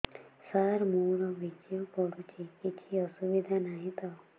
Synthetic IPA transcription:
saɾmuɾʌbʱit͡ʃijopɔɽut͡ʃʰikit͡ʃʰiʌsubid̪ʱanaɦĩt̪ʌ

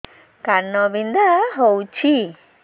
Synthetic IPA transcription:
kanːɔbind̪aɦowt͡ɕʰi

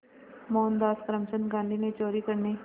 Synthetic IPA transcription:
moːnd̪aːskɾəmt͡ʃənɡãːnd̪ʱinet͡ʃoːɾiːkəɾneː

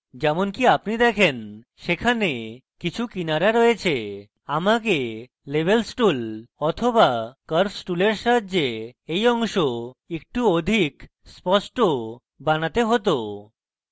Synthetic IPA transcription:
d͡ʑɛmonkiapnid̪ɛkʰen | ʃekʰane | kit͡ɕʰukinaɾaɾɔet͡ɕʰe | amak̬e | lebelsʈulɔt̪ʰobakəɾsʈuleɾʃad̪d͡ʑeejɔŋʃoek̚ʈuod̪ʱik | spɔsʈo | banat̪eɦot̪o

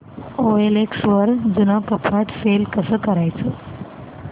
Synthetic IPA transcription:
oeleksʋəɾd͡ʒunakəpʰaʈfelkəsəkəɾajt͡ʃʰe

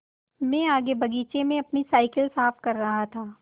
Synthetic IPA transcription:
mɛ̃ːaːɡebɐɡiːt͡ʃemẽɐpnisaːɪkəlsaːfkɐɾːɐɦat̪ʰaː

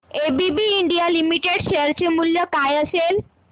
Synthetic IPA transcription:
ebibiiɳɖialimiʈeɖʃeəɾt͡ɕemuljɔkajəsel

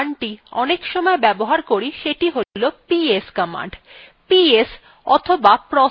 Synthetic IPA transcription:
ɳʈiɔnekʃɔmɔebɛboɦaɾkoɾiʃeʈiɦolopieskɔma̰ɳɖ | pies | ɔ̰t̪ʰobapɾɔ

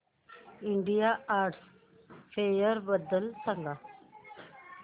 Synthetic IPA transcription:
iɳɖijaaːɾʈs | fʰeːjəɾbəd̪əlsəŋɡa

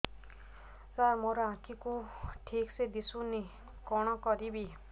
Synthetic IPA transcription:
saɾmɔɾɔãkʰikuʈʰiksed̪isuni | kɔɽ̃ɔkɔɾibi

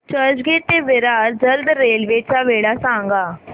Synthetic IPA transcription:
t͡ʃəd͡ʒɡeːt̪eːʋɪɾaːɾd͡ʒəld̪ɾeːlʋeːt͡ʃaːʋeːɽaːsãːŋɡaː

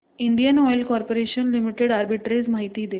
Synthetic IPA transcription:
iɳɖijənɔjlkɔːɾpoɾeʃənlimiʈeɽaɾbiʈɾezmaːɦit̪iːd̪e

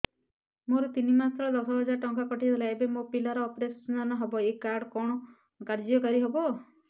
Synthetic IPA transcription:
moɾɔt̪inimasʰɔɭɔd̪ɔsʰɔbɦɔd͡ʒaɾʈɔŋkakɔʈʰit̪ʰelaebemopilɔɾɔːpɾesnanɔɦɔbɔekaɾɖkɔɽ̃ɔ | kaɾd͡ʒɔkɔɾiɦebɔ

